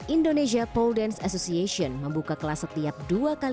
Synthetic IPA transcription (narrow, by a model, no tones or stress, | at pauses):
ʔindoneʃ̬iapɔldɛnsasosiasiɔnməmbukakəlasət̪iap̚duakal